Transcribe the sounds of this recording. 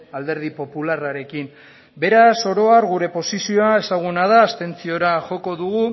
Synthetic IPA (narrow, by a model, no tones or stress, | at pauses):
ald̪e̞ɾð̞ipo̞pularaɾe̞kim | be̞ɾaso̞ɾo̞aɾɣuɾe̞po̞sisio̞ae̞saɣ̞unaðaːst̪e̞nt͡sio̞ɾaʝo̞ko̞ðuɣu